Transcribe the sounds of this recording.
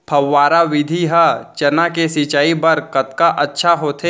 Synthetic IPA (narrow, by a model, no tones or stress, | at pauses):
pʰɐwːaːɾaʋɪd̪ʱiɦɐt͡ʃɐnakesit͡ʃaːibɐɾkɐt̪kaʔɐtːʃʰaɦoːt̪ʰe